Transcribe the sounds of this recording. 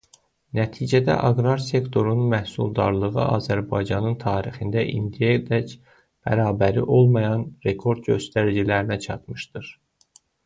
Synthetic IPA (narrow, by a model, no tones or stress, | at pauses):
næt̪ʰiːd͡ʒæd̪æ̰ʔɑɡɾɑɾse̞kt̪ʰo̞ɾununmæhsulˠd̪ɑɾlˠɯʁɯʔɑ̰zæɾbɑjd͡ʒɑnɯnt̪ʰɑːɾiχind̪æʔḭnd̪ijæed̪æc | b̥æ̰ɾɑːbæɾiʔo̞lˠmɑjɑnɾe̞kʰo̞ɾd̪ɟø̞st̪æɾid͡ʒilæɾinæt͡ʃʰɑt̪mɯʃd̪ɯɾ̥